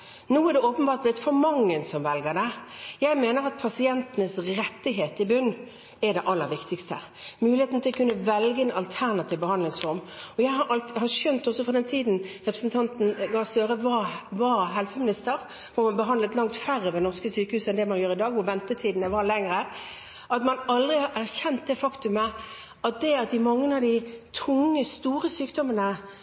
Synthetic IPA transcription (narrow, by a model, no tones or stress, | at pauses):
nuːæd̪ɛoːpənbɑːɾt̪ʋet̪fɔɾmɑŋːənsɔmʋɛlɡəd̪æɪjæɪmeːnəɾɑt̪̚pʰɑsɪɛnt̪ənəsɾɛt̪ːɪɦeːt̪ɪbʉnː | ɛd̪ɛʔɑlːəɾʋɪkt̪ɪkst̪ə | mʉːlɪheːt̪n̩t̪ʰɪlɔkʰʉnːəʋɛlɡəɛnɑlt̪ʰæʁnɑt̪ʰiːʋbəhɑnd̪lɪŋsfɔɾmɔjæɪɑɑlhɑʂœnt̪ɔsɔfʁɔd̪ɛnt̪ʰiːd̪nʁɛpɾə̥sn̩t̪ʰɑnt̪n̩ɡɑːst̪øːɾəʋɑʋɑɦɛlsəmɪnɪst̪əɾ | ʋʊmɑnbəɦɑnd̪ləɛt̪lɑŋt̪fæɾːəʋɛnɔʁskəsyːkəhʉːsɛnd̪ɛmɑnjøːʁɾɪd̪ɑːɡʋʊɾʋɛnt̪ət̪ʰiːd̪nəʋɑɾlɛŋɾə | ɑt̪mɑnɑld̪ʁɪhɑɾæʁçɛnt̪̚d̪ɛfɑkt̪ʉmə | ɑt̪̚d̪ɛɑt̪̚d̪ɪmɑŋːənɑʋd̪ɪt̪ʰʊŋːəst̪uːɾəsyːkd̪ɔmənə